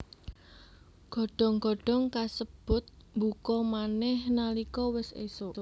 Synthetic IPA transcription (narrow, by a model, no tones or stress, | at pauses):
ɡ̥ɔ̤ɖ̥ɔ̤ŋɡ̥ɔ̤ɖ̥ɔ̤ŋkasəb̥ʊ̤t̪̚mbukɔmanɛhnalikɔwɪsḛso